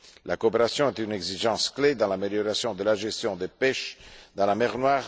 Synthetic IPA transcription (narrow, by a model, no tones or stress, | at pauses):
lakoːpeʁasjɔ̃ɛt̪yneɡziʒɑ̃skled̪ɑ̃lameljoɾasjɔ̃d̪əlaʒest̪jɔ̃d̪epɛʃd̪ɑ̃lamɛʁnwaːʁ